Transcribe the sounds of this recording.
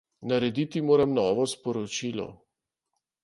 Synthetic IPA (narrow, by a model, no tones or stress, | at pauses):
nɐɾɛd̪it̪imoːɾɐmnɔːʋɔspɔɾɔt͡ʃiːlɔ̰